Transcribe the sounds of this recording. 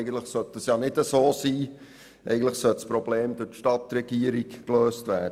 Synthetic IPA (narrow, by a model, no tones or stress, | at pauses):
ɪɡən̩t̪ləχsœt̪̚d̥ɑsjɑːnɪdəsoːsiː | ʔɛ̰ɪɡn̩tləχsœltspɾob̥leːmd̥̪ʊtʃtɑt̪ɾɛɡ̥iəɾikkløːstvʋæːd